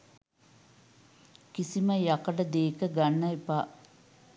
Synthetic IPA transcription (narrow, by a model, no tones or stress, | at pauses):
kisiməjakəʈəd̪eːkəɡanːɐipaː